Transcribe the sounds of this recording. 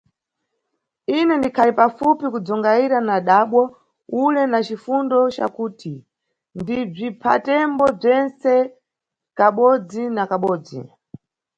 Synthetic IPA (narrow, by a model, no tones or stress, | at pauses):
inɛndikʰalipafupikud͡zɔŋɡaiɾanaɗaɓwɔ | ulɛnat͡ʃifundɔt͡ʃa̰kuːtʰi | ndib͡ʐipʰa̰tɛmbɔb͡ʐɛnt͡sɛ | kaɓɔd͡zinakaɓɔːd͡zḭ